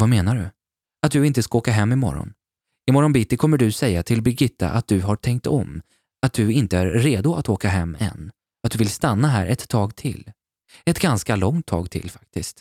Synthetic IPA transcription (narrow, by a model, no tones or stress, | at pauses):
vameːnaɖɵ̰ | at̪̚d̪ɵɪnt̪əskaoːkaɦɛmːɪmɔ̰ɾɔ̰n | ɪmɔɾɔnbɪt̪ːɪkʰɔmːəɖɵsɛjːat̪ʰɪlbɪɡɪt̪ʰːa̰ʔat̪̚d̪ɵɦaʈʰɛŋk̚t̪ɔm | at̪̚d̪ɵɪnt̪əæɾːeːd̪ʊat̪oːkaɦɛmːɛ̰nː | at̪d̪ɵvɪlst̪anːaɦæ̰ːɾʔɛt̪ʰːɑːɡt̪ʰɪ̰l | ɛt̪ɡanskalɔŋt̪ʰːɑ̰ːɡt̪ʰɪ̰lfḁk̚t̪ɪst̪